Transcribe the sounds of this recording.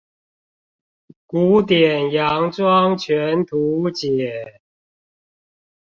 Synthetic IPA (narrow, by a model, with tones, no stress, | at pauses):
ku˨˦t̪jɛ˨˩njɑ˨˧˦ŋt͡swɑ˦ŋt͡ɕʰɥɛ˨˧˦nt̪ʰu˨˦t͡ɕjɛ˨˩˦